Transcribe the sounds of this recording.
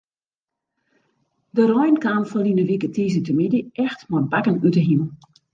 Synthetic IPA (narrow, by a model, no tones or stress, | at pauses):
dərɔjnkaːmfɔlinəʋikətʰiːzətəmidəʔɛxtmɔbakənytəɦiməl